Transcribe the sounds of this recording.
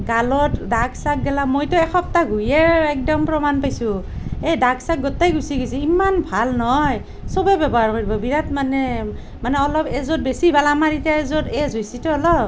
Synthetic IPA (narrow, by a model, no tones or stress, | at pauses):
ɡalɔtdaksak̚ɡɛlamojtɔɛkʰɔp̚taɡʱujɛɛk̚dɔmpɹɔmanpajsu | ejdaksak̚ɡɔtajɡusiɡɔjs̬ɛimanbʱalnɔj | sɔbɛbɛbɔɦaɹkoɹibɔbiɹatmanɛ | manɛɔlɔpɛzɔt̚besibʱalamaɹitjaɛzɔtɛzɦojsitɔɔlɔ